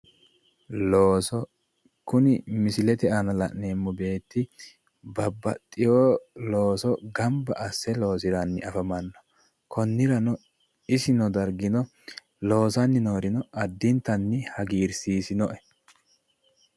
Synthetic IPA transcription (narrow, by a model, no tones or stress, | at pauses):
loːsɔ | kʊnɪmɪsɪlɛt̪ɛɐnɐlɐ̰ʔneːmːʊbe̞ːt̪ːɪ | bɐbːɐ̰t̪ʼːɪjoːlo̞ːsɔɡɐmbɐ̰ʔɐsːɛlo̞ːsɪɾɐnːɪɐfɐmɐnːɔ̥ | kɔnːɪɾɐnɔ | ɪsɪnɔd̪ɐɾɡɪnɔ | lo̞ːsɐnːɪno̞ːɾɪnɔʔɐd̪ːɪnt̪ːɐnːɪhɐɡiːɾsiːsɪnɔʔɛ̥